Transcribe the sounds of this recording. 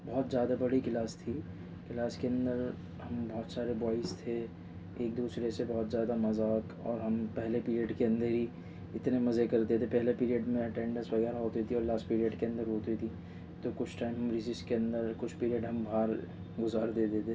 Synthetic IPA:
bɔɦɔt̪zjaːd̪abɐɽikɪlaːst̪ʰi | kɪlaːskeɐ̃nd̪əɾ | ɦɐmbɔːt̪saːɾebaːɪst̪ʰe | eːk̚d̪uːsɾesebɔɦːt̪zjaːd̪amɐzaːk | ɔ̰ːɾɦɐmpɛɦlepiːɾijəɖkeɐ̃nd̪əɾɦi | ɪt̪nemɐzekɐɾt̪et̪ʰepɛɦlepiːɾijəɖmẽɐʈɛ̃ːɳɖə̃sʋɐɣɛːɾaɦoːt̪it̪ʰiɔːɾlaːsʈpiːɾiəɖkeɐ̃nd̪əɾɦoːt̪it̪ʰi | t̪okʊt͡ʃʰʈaːɪmɦɐmɾɪzɪsʈkeɐ̃nd̪əɾkʊt͡ʃʰpiːɾiəɖɦɐ̃mbʱaːɾ | ɡʊzaːɾd̪eːd̪et̪ʰe

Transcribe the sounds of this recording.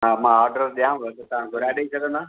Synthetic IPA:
ɦaːmãːɔːɾɖəɾɗijãːʋɐt̪ɐt̪ɐʋ̤ãɡʱʊɾaːɗeisʰɐd̪ə̃nd̪aː

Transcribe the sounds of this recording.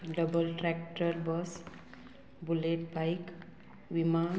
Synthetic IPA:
ɖɔbəlʈɾɛkʈəɾbɔs | buleʈ̚pajk | wimã

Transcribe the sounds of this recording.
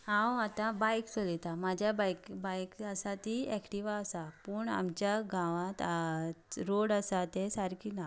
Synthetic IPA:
ɦãwat̪ãbajkt͡səlet̪amad͡ʑʱjabajkbajkəsat̪iɛkʈiʋaːsapəːɳa̰mt͡ɕjaɡʱãʋãt̪ | ɾoɽəsat̪esaɾkʰina

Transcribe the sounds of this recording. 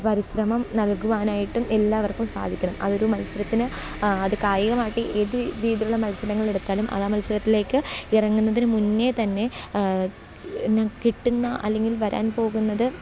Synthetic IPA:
pɐɾiɕrɐmɐmnɐlkuʋaːnaːjiʈːume̞lːaːʋɐrkumsa̰ːd̪ʱikʲːɐɳɐmɐ̰ðo̞ɾumɐlsɐɾɐt̪ːinɨ | ɐðɨkaːjɐɣɐmaːjiʈːiʔeːðiɾiːðijuɭːɐmɐlsɐlɐŋːɐɭe̞ɽut̪ːaːlumʔɐ̰ðaːmɐlsɐlɐt̪ːile̞ːkːɨirɐŋːunːɐðinɨmunːet̪ɐnːe̞ | nːɐkiʈːunːɐʔɐ̰lːe̞ŋɡilʋɐɾʔa̰ːnpo̞ːɣunːɐðɨ

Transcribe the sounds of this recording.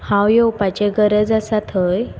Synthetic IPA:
hãwjowpat͡ɕeɡəɾəd͡zasat̪ʰəj

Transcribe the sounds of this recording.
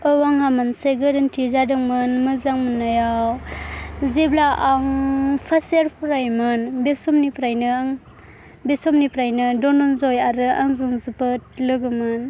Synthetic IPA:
ɔwaŋhamanseɡɯɾɯntʰizadɯŋmɯnmɯzaŋmɯnːajaw | ziblaʔaŋpʰaseɾpʰɾajmɯnbesɔmnipɾajnɯaŋ | besɔmnipʰɾajnɯdɔnɔnzɔjaɾɯʔa̰ŋzɯŋzɯpɯt̚lɯɡɯmɯn

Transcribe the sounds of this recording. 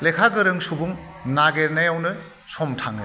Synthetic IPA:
lekʰaɡɯɾɯŋsubuŋnaɡeɾnajawnɯ | sʰɔmtʰaŋɯ

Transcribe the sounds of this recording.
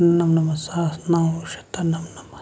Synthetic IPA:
nnɐmnɐmɐsaːsnaoʃɐ̥t̪anɐmnɐmɐ

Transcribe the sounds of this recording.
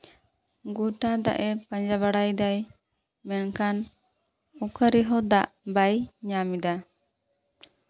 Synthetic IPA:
ɡuʈad̪a̰ʔɛpaɲd͡ʒaβaɽajd̪aj | mɛnkan | ukaɾiɦɔd̪aʔbajɲamid̪a

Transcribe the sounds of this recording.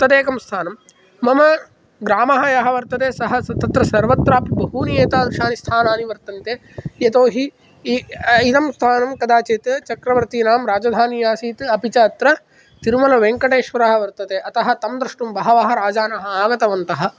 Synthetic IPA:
t̪ɐt̪eːkɐmst̪ʰaːnɐmː | ɐmɐ | ɡɾaːmɐɦɐjɐɦɐʋɐɾt̪ɐt̪eːsɐɦɐsɐt̪ɐt̪ɾɐsɐɾʋɐt̪ɾaːpibɐɦuːnijeːt̪aːd̪ɾʃaːnist̪ʰaːnaːniʋɐɾt̪ɐnt̪eːjɐt̪oːɦi | it̪ɐmst̪ʰaːnɐmkɐd̪aːt͡ʃeːt̪t͡ʃɐkɾɐʋɐɾt̪iːnaːmɾaːd͡ʒɐd̪ʱaːnijaːsiːt̪ɨɐpit͡ʃɐt̪ɾɐ | t̪iɾmɐlɐʋeŋkɐʈeːʃʋɐɾɐɦɐʋɐɾt̪ɐt̪eːʔɐt̪ɐɦɐ̆t̪ɐmd̪ɾɐʂʈumbɐɦɐʋɐɦɐɾaːd͡ʒaːnɐɦɐaːɡɐt̪ɐʋɐnt̪ɐɦɐ̆

